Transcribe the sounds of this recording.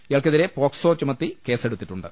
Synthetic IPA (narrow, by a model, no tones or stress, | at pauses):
ijɐɭkeðiɾepoːksoːt͡ɕːumɐt̪ːike̞ːse̞ɽut̪ːi̥ʈːuɳɖɨ